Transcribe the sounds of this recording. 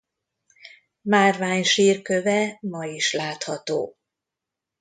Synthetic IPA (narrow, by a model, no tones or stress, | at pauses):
maːrvaːɲʃiːrkø̞vɛmɒiʃlaːt̪hɒt̪o̰ː